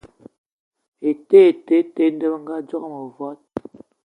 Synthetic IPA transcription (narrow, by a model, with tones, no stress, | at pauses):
e˨te˦e˨te˦te˦n˦də˦bŋ˦ɡa˦d͡ʒɔ˦kmə˨vɔ˦t̚